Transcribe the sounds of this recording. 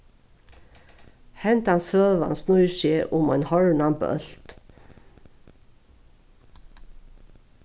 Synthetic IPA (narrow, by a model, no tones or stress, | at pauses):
hɛnt̪ansvœːva̰nsnujsɛːʔʊmajnhɔɹnampœ̰l̥t̪